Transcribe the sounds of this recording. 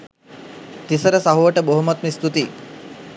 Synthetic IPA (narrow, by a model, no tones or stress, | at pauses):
t̪isəɾəsaɦuʋəʈəboɦumat̪mist̪ut̪i